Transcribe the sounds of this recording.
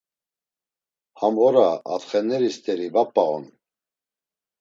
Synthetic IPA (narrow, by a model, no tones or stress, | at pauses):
hamvɔɾa̰ːt̪χɛnɛɾist̪ʰʼɛɾivapʼːaɣɔ̰n